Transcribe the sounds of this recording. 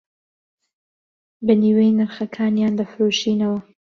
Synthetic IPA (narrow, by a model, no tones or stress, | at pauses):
baniːwejnɨɾxɐkʰaːnjaːnd̪ɐfɨɾuːʃiːnɐwɐ